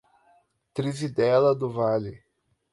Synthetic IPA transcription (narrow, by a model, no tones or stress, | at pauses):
t̪ɾizid̪ɛlɐd̪ʊvalɪ